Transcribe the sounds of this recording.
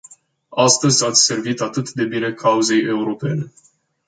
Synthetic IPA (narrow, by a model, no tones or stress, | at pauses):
ast̪əzʲat̪sʲse̞rvit̪at̪ɨt̪d̪e̞bine̞kʰauze̞je̞uɾo̞pe̞ne̞